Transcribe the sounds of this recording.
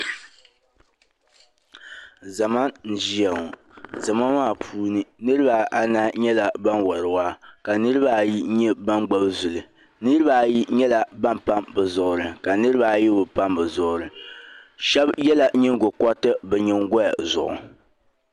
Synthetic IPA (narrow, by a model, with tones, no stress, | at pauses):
za˨ma˦n̩˨˦d͡ʒi˦a˨ŋɔ˨ | za˨ma˦maː˦˨pʰuː˦nɨ˦nɨ˦ɾɨ˦ba˨ʔa˨na˦ɲɛ˦la˨ba˦nwɔ˨ɾɨ˨wa˦ka˨nɨ˦ɾɨ˦ba˦˨ji˦ɲɛ˦ba˦mɡ͡ba˦bzʊ˨lɨ˨ | nɨ˦ɾɨ˦ba˨ji˦ɲɛ˦la˨ba˦mpa˦mbɨ˨zʊ˨ʔʊ˨ɾɨ˨ka˨nɨ˦ɾɨ˦ba˦˨ji˦bʊ˨pa˦mbɨ˨zɔ˦ʊ˨ɾɨ˨ | ʃɛ˦bjɛ˦la˨ɲɛ˦ŋ˦ɡo˨kɔ˦tɨ˦bɛ˨ɲɛ˦ŋɡɔ˦a˨zʊ̰˨ʔʊ̰˨